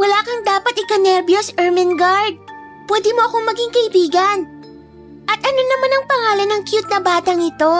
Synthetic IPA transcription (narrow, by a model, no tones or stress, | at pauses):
wɐlaːkɐŋd̪aːpɐt̪̚ɪkɐnɛɾbjosʔɛɹmɐnɡaɹd̪̚ | pwɛːd̪ɪmo̞ʔɐko̞mɐɡɪŋkɐʔɪbiːɡɐn | ʔɐt̪ʔɐno̞nɐmanɐŋpɐŋaːlɐnɐŋkjut̪̚nɐbaːt̪ɐŋɪt̪o̞